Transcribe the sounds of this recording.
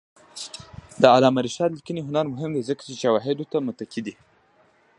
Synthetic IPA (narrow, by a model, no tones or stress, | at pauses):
d̪əalɑmaɾiʃɑd̪likiniɦʊnaɾmʊɦɪmd̪ezəkḁt͡ʃeʃawɑɦɪd̪ot̪amʊt̪akid̪i